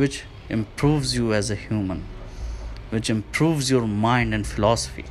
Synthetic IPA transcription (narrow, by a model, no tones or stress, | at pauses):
wɪt͡ʃ | ʔɪ̰̃mpʰɾuːʋzjuæzəhjũːmə̃n | ʋɪt͡ʃɪ̃mpʰɾuːvzjɔɾmãɪ̃ɳɖɛ̃nɖfɪlɔsə̥fḭ